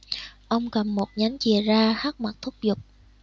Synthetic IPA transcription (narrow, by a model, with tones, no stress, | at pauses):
ʔə˧wŋ͡mkə˨˩mːo˨˩t̚ɲa˨˦jŋt͡ɕi˨˧˩zaː˧xaː˦˥k̚ma˨˩t̚t̪ʰʊ˦˥k͡p̚zʊ˨˩k͡p̚